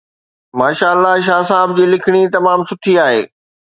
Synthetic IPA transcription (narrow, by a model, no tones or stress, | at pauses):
maːʃaːəlːaʃ̬aːs̬aːb̚d͡ʑiːlɪkʰɪɽ̃it̪ɐmaːmsʊʈʰiaːɦeː